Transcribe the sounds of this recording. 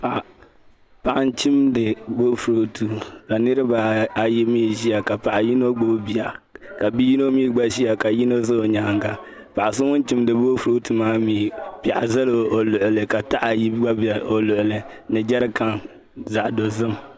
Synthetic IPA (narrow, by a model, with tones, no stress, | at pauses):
pa˨ʔ | pa˨ʔa˨n˦t͡ʃi˦mdɨ˨bo˦fu˨ɾo˦tʰu˨ka˨nɨ˦ɾɨ˦ba˨a˨ji˦miː˦ʒi˦a˨ka˨pa˨ʔa˨ji˦no˦ɡ͡bo˦bbi˨a˨ka˨bi˦ji˦no˦miː˦ɡ͡ba˦ʃi˦ja˨ka˨ji˦no˦zɨ˦o˨ɲa˨ŋɡa˨ | pa˨ʔa˨s̬ɨ˦ŋʊ˦n˦t͡ʃi˦mdɨ˨bo˦fu˨ɾo˦tu˨maː˦miː˨pa˨ʔa˨za˦lo˨o˨lʊ˨ʔʊ˨lɨ˨ka˨ta˦ʔa˨ji˦ɡ͡ba˦bo˨lʊ˨ʔʊ˨lɨ˨nɨ˨d͡ʒɛ˦ɾɨ˦ka˦ŋ | za˨ʔdo˨zɨ˦m